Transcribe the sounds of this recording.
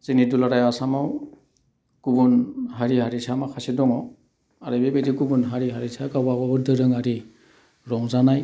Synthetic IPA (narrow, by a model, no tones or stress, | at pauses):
z̥inidulaɾajasamaw | kubɔnɦaɹiɦaɹisʰamaxʰasidɔŋɔ | aɾɯbebedikubunɦaɹiɦaɹitʰakabababɔdʱɯɾɯŋaɾi | ɹɔŋzanaj